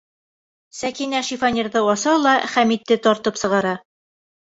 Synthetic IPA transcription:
sækinæʃifɑnʲirðɤɒsɑlˠɑχæmit̪ːɘt̪ɒɾt̪ɤpsɤ̆ʁɑɾɑ

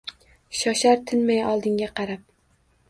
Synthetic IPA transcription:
ʃɒʃaɾt̪ʰɪnmajɒlˠd̪ɪŋɡʲaqʰɑɾap̚

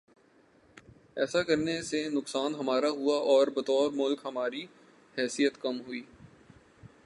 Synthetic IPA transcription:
ɛːsakɐɾnesenʊksaːnɦɐmaːɾaɦuaʔɔːɾbɐt̪ɔːɾmʊlkɦɐmaːɾi | hɛːsijət̪kɐmɦuiː

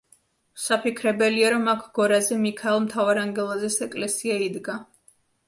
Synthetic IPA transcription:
sapʰikʰɾɛbɛliaɾɔmakʰɡ̥ɔɾazɛmikʰaɛlˠmt̪ʰavaɾaŋɡɛlˠazɛsɛkʼlɛsiaid̪ɡa

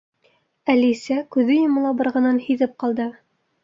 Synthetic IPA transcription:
ælisækʉðɘjɤ̆mɤ̆lˠɑbɤ̆ɾʁɤ̆nɤnhiðɘp̚qɑlˠd̪ɤ

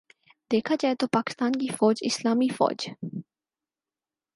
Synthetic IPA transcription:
d̪eːkʰat͡ʃaːet̪opaːkɪ̥st̪aːnkifɔːd͡ʒɪ̰slaːmifɔ̰ːd͡ʒ

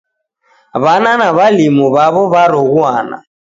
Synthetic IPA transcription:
βananaβalimɔβaβɔβaɾɔɣuana̰

